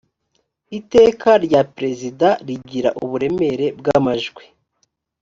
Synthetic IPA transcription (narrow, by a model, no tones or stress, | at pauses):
ite̞ːkaɾɟapɾe̞zidaɾiɟiɾa̰ʔuβuɾe̞me̞ɾe̞bɡamaʒɡwe